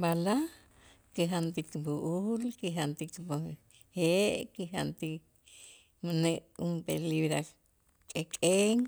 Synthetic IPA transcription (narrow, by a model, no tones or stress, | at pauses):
bala | kiɦant̪ik̪buʔulkiɦant̪ikbo | heʔkiɦant̪i | maneʔumpḛliβɾa | kʼekʼeŋ